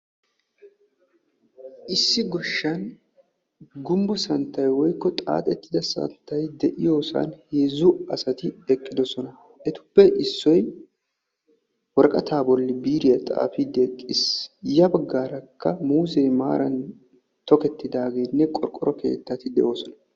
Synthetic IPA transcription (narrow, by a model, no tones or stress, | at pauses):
ʔɪsːɪɡɔʃːɐn | ɡʊmbɔsɐnt̪ːɐjwɔjkːɔt̪ʼa̰ːt̪ʼɛt̪ːɪd̪ɐsɐ̰nt̪ːɐjd̪ɛʔɪjo̞ːsɐ̰nheːzʊɐsɐt̪ɪɛkʼːɪd̪ɔsɔnɐ | ʔɛt̪ʊ̥bːɛʔɪsːɔj | wɔɾkʼɐt̪ʰaːbɔlːɪbiːɾɪjɐt̪ʼa̰ːfid̪ekʼːɪsjɐbɐɡːaːɾɐkʰːɐmuːzɛjma̰ːɾʔɐn | t̪ɔkɛt̪ːɪd̪aːɡeːnːɛkʼɔɾkʼɔɾɔkʰe̞̰ːt̪ːɐt̪ɪd̪ɛ̰ʔo̞ːsɔnɐ̥